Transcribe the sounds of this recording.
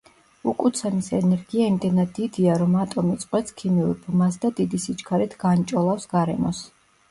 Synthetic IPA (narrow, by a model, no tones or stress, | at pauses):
ukʼut̪sʰɛmisɛnɛɾɡiaimd̪ɛnad̪ːid̪iaɾɔmat̪ʼɔmit̪sʼqʼwɛt̪skʰimiṵɾbmasd̪ad̪id̪isit͡ʃʰkʰaɾit̪ʰɡant͡ʃʼɔlˠafsɡaɾɛmɔ̰s